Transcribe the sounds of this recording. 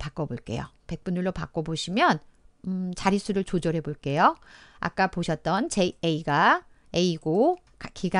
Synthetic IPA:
pak͈ʌboɭk͈e̞̰jo̰pe̞k̚p͈unuɭːopak͈oboɕʰimjʌn | ɯt͡ɕaɾis͈ʰuɾɯɭt͡ɕod͡ʑʌɾɦe̞boɭk͈e̞joa̰k͈apoɕʰʌt̚t͈ʌnt͡ɕeeiɡa | eiɡo | kkiɡa

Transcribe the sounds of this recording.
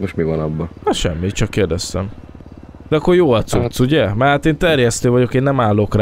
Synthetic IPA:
moʃtmivɒnɒbːɒhɒʃɛ̰mːit̪t͡ʃɒkːeːrd̪ɛst̪ɛ̰m | d̪ɛɒkːoɾjoːɒt̪sut̪suɟɛmɛat̪eːnt̪ɛrjɛst̪øːvɒɟo̞keːnːɛmaːlːoːkr

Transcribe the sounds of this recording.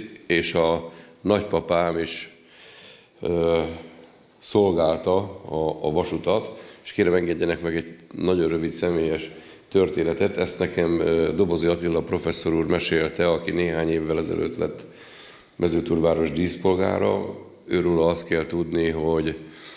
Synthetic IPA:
eːʃɒnɒcpɒpaːmiʃ | ø | so̞lɡaːlt̪ɒɒːvɒʃut̪ɒt̪eʃkeːɾɛmɛŋɡɛɟːɛnɛkmɛɡɛɟ̚nɒɟo̞nrrøvit̪sɛmeːjɛʃ | t̪ørt̪eːnɛt̪ɛt̪ɛst̪nɛkɛmd̪o̞bo̞ziɒt̪ilːɒpro̞fɛsːo̞ɾuːrmɛʃeːlt̪ɛɒkineːɦaːɲeːvːɛlɛzɛ̰lʔø̰ːt̪lɛ̰t̪ː | mɛzøːt̪uːrvaːɾo̞ʒd̪iːspo̞lɡa̰ːɾɒ̰ | øːɾuːlɒɒst̪kɛlt̪ud̪niɦo̞ɟ

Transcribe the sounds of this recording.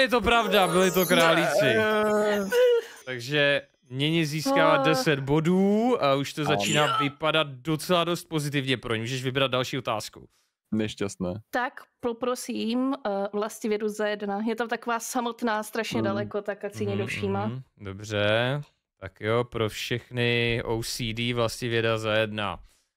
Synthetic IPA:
jɛt̪o̞pɾavdabɪlɪt̪̬o̞kɾaːlit͡sɪ | t̪aɡʒɛ | mɲɛɲɪziːskaladɛsɛd̪bo̞duːauʃt̪ozat͡ʃiːnaːvɪpadat̪̚do̞t͡sɛlado̞st̪̚po̞zɪt̪ɪvɲɛpɾoɲɛmuːʒɛʃvɪbɾad̪̚dalʃiːo̞t̪aːskṵ | nɛʃcast̪nɛːt̪akpopɾosiːmvlascɪvjɛduzajɛdnajɛt̪amt̪akovaːsamo̞t̪naːst̪ɾaʃɲɛdalɛkot̪akasɪɲɛdofʃiːmado̞brɛ | t̪akjopɾo̞fʃɛxnɪʔowsiːdiːvlascɪvjɛdazajɛdna̰

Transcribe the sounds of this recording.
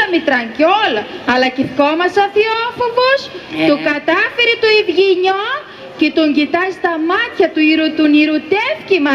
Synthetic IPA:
ɐmit̪ɾɐɲɟolɐɐlɐciθkomɐsoθiofovost̪ukɐt̪ɐfiɾit̪uivʝiɲo | cet̪oɲɟit̪ɐst̪ɐmɐt̪çɐt̪uiɾut̪uniɾut̪e̞fcimɐ

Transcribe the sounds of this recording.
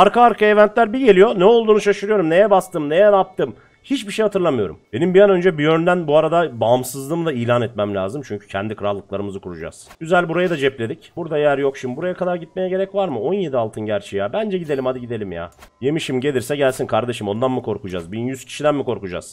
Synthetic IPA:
aɾkaːɾkaevænt̪lʲæɾbiɟe̞lʲijo̞nɛo̞lˠd̪uːnuʃaʃɯɾɯjo̞ɾumne̞jɛbast̪ɯmne̞jɛɾap̚t̪ɯm | hit͡ʃbiʃejhat̪ʰɯɾlˠamɯjo̞ɾṵmbe̞nimbijanø̞nd͡ʒɛbijønd̪ænbuaɾad̪abamsɯzlˠɯːmd̪aiːlʲaːnɛt̪mæmlʲa̰ːzɯmt͡ʃʰyɲcʰy̥cʰɛnd̪ikʰɯɾalˠːɯklˠaɾɯmɯzɯkuɾud͡ʒa̰z̥ɟyzælʲbuɾajad̪ad͡ʒɛplʲe̞d̪icb̥uɾd̪ajæɾjo̞kʃimbuɾajakʰad̪aɾɟit̪me̞jɛɟe̞ɾɛcvaɾmɯo̞nje̞d̪ialˠt̪ʰɯnɟæɾt͡ʃʰijaːbænd͡ʒɛɟid̪elʲimad̪ɯɟid̪e̞lʲimja̰ːje̞miʃimɟe̞lʲiɾsɛɟælʲsinkʰaɾd̪e̞ʃɯmo̞nd̪anmɯkʰo̞ɾkud͡ʒa̰zbinjyz̥cʰi̥ʃid̪ænmiko̞ɾkud͡ʒa̰z̥

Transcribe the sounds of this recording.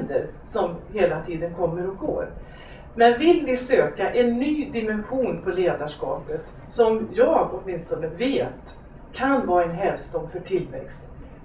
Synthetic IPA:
d̪ə̰ɾ | sɔmheːlat̪ʰiːd̪ənkʰɔmːəɾɔɡo̰ːɾ | mɛnvɪlvɪsøːkaʔɛnːyːd̪ɪmɛnɧuːnpʰɔleːd̪aʂkɑ̰ːpət̪ | sɔmjɑːɡɔt̪mɪnst̪ɔnəveːt̪ | kʰanvɑːɛnɦɛlvst̪ɔmfœʈʰɪlːvɛ̰kst̪

